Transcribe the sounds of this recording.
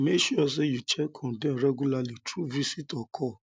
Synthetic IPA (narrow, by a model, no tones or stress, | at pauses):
meʃuɔs̬ejut͡ʃɛkʰɔ̃dɛ̃ɾɛɡulalitɾuvisitɔkʰɔ